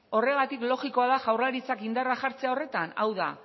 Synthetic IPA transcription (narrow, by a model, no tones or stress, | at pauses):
o̞re̞ɣ̞at̪iklo̞ɣiko̞aðaʝawrlaɾit͡sakind̪araʝaɾt͡se̞ao̞re̞t̪ana̰wða̰